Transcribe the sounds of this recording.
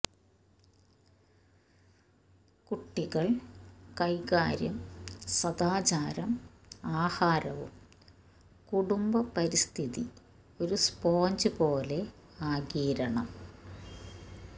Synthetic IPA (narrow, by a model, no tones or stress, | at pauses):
kuʈːiɣɐɭkɐjkaːɾjɐmsɐd̪aːt͡ɕaːɾɐm | aːhaːɾɐʋṵm | kuɽumbɐpɐɾist̪ʰiðḭ | o̞ɾuspoːɲd͡ʑɨpoːle̞ | aːɡiːɾɐɳɐm